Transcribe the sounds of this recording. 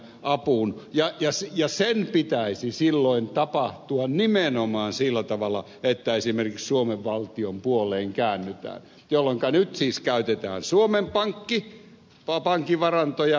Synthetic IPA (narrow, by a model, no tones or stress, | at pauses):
ʔɑpunjɑjɑsjɑsenpit̪æisisilːoint̪ɑpɑht̪uɑnnimenomɑːnsilːæt̪ɑʋɑlːˑɑ | et̪ːæesimerkikssuomeʋʋɑlt̪iompuolˑeːŋkæːnːyt̪æ̰ːn | jolːeŋkɑnyt̪siːskæyt̪et̪æ̰ːnsuomempɑŋkːi | ɑpɑŋkːiʋɑrɑnt̪ojɑ